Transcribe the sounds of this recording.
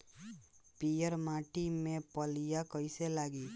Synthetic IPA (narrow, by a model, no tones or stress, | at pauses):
pijəɾmaːʈimẽpəlijakəɪselaːɡi